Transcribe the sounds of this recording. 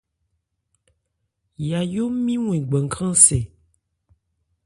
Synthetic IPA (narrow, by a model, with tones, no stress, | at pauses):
ja˨jo˦mĩ˦w̃ɛ̃˨ɡ͡bɛ˨ŋ˨kʰã˦se˨